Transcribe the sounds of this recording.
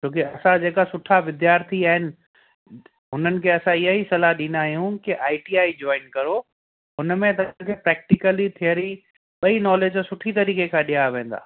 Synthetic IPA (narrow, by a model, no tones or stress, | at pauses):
t͡ɕʰoːkɪɐsãd͡ʑeːkasʊʈʰaʋɪd̪jaːɾt̪ʰiaːɦɪnɪ̆ | ɦʊnənɪ̆kʰeɐsãɪɦaɦisɐlaɗĩːnaːɦijũkɪʔaːɪʈiaːid͡ʑɔːɪnkɐɾo | ɦʊnmẽt̪ɐ̃kʰeːpɾɛːk̚ʈɪkəlit̪ʰijəɾi | ɓɐinɔːleːd͡ʑsʊʈʰit̪ɐɾiːkekʰãːɗijaʋẽːn̆d̪a̰ː